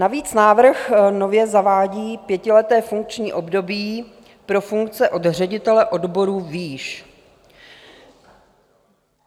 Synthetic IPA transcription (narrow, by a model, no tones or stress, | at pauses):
naviːt͡snaːvr̩xno̞vjɛzavaːɟiːpjɛcɪlɛt̪ɛːfuŋk̚t͡ʃɲiːʔo̞bdo̞biː | pɾo̞fuŋkt͡sɛʔo̞dr̝ɛɟɪt̪ɛlɛʔo̞dbo̞ɾuːviːʃ